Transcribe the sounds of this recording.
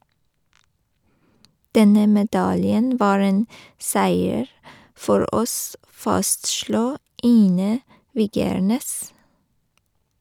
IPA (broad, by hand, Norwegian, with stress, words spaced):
ˈdɛnə mɛˈdɑljən ˈʋɑːɹ ˈeːn ˈsæɪəɹ ˈfɔɾ ˈʔɔs ˈfɑstʃluː ˈiːnə ˈʋiːɡəɹˌneːs